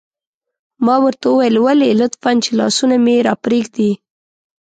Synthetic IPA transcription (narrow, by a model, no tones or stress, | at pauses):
mɑwəɾt̪awəwajəlwalelət̪fant͡ʃelɑ̰sunameɾɑpɾeɡd̪i